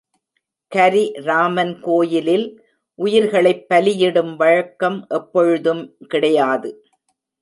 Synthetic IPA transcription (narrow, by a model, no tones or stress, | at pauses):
kɐɾiɾaːmɐnkoːjɪlɪl | ʔʊjɪɾɣɐɭɐɪpːɐlɪjɪɽɯmʋɐɻɐkːɐmʔɛpːɔɻɯðɯmkɪɽɐjaːðɯ